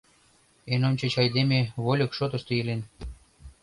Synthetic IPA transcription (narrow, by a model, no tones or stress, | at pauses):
enonʲt͡ɕə̆t͡ɕɑjd̪emʲeβolʲɤ̆kʃot̪ə̆ʃt̪ɤelen